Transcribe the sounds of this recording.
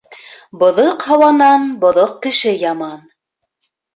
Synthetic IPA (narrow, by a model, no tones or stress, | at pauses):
bŏðoqhɑwɑnɑnbŏðoq̚kɘ̆ʃɘjɑmɑn